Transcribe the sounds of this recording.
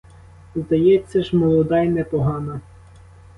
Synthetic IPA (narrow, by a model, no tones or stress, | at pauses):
zd̪ɐjɛt͡sʲːɐʒmɔlˠɔd̪ɑjnɛpɔɦɑnɐ